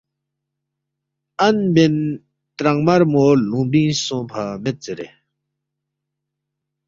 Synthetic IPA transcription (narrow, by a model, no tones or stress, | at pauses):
ʔanben | t̪ɾaŋmaɹmolupiŋsɔŋpʰamet̚t͡seɹḛ